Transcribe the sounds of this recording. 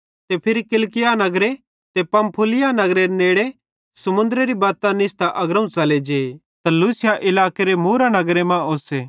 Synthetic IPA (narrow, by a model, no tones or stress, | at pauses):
t̪epʰɪɾikɪlkɪjanɐɡɾe | t̪epɐ̃mpʰʊlɪjanɐɡɾeneːɽe | sɐmʊ̃nd̪əɾeɾibaːt̪ãnɪst̪aʔɐɡɾɐ̃ũt͡sɐled͡ʒeː | t̪ɐluːsɪjaʔɪlaːkeɾemuːɾanɐɡɾemãoːseː